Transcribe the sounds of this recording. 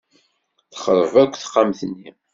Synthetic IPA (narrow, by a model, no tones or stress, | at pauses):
θə̥χəɾˤəvækʷːθə̥χːamθənːi